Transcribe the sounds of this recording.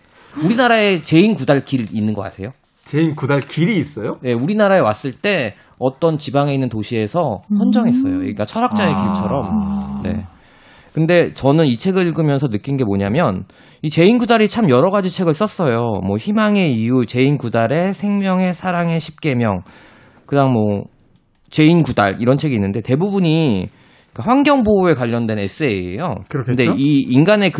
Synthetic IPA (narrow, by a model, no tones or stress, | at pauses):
uɾinaɾae̞t͡ɕe̞inkudaɭkiɾinːɯnɡʌk͈a̰tʰejo | t͡ɕeinkudaɭkiɾiːs͈ʌjoje̞uɾinaɾae̞was͈ɯɭt͈e̞ | ʌt͈ʌnt͡ɕibaŋe̞inːɯntoɕʰie̞sʰʌhʰʌnd͡ʑʌŋɦe̞s͈ʌjo̰ḭk͈at͡ɕʰʌɾak̚t͡ɕ͈ae̞kiɭt͡ɕʰʌɾʌmne̞̰ | kɯnde̞t͡ɕʌnɯnit͡ɕʰe̞ɡɯiɭɡɯmjʌnsʰʌnɯk͈inɡe̞moɲamjʌn | it͡ɕe̞inɡudaɾit͡ɕʰamjʌɾʌɣad͡ʑit͡ɕʰe̞ɡɯɭs͈ʌs͈ʌjomwʌçimaŋe̞ijut͡ɕe̞inkudaɾe̞sʰe̞ŋmjʌŋe̞sʰaɾaŋe̞ɕʰip̚k͈e̞mjʌŋ | kɯɲaŋmwʌ | t͡ɕe̞inkuda̰ɾiɾʌnt͡ɕʰe̞ɡiːnːɯnde̞te̞bubuɲi | kaɸwaŋɡjʌŋboekwaʎːʌndwe̞ne̞s͈ɯeḛjo̰knde̞iːnɡane̞k